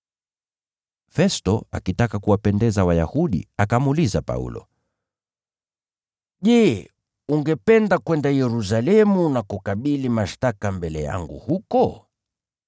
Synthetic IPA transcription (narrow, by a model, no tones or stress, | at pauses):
fɛstɔa̰kitakakuwapɛndɛzawajahuɗḭakamulizapa̰ṵlɔ̰ | ʄɛː | uŋɡɛpɛndakwɛndajɛɾus̬alɛmunakukaɓilimaʃtakambɛlɛ̰ja̰ŋɡṵhukɔ